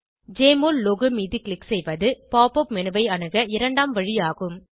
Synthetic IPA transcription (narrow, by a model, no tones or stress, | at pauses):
d͡ʒeːmollɔɣɯmiːðiklɪksɛjʋɐðɯpaːpɔpmɛnɯʋɐɪɐɳɯɣɐɪɾɐɳɖaːmʋɐɻɪjaːɣɯm